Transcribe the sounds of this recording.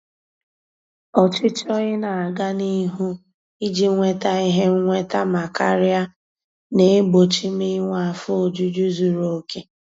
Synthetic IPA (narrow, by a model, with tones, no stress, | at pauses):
ɔ˨t͡ʃɪ˦t͡ʃɔ˦ɣɪ˦na˨a˨ɡa˦ni˦ɦu˦ | i˦d͡ʒi˦ŋʷe˦ta˦i˦ɦe˦ŋʷe˦ta˦ma˨ka˦ɾja˦ | ne˨˦ɡ͡bo˨t͡ʃi˦mi˦ŋʷ˦a˨fo˦o˨d͡ʒu˦d͡ʒu˦zu˨ɾo˨˦ke˦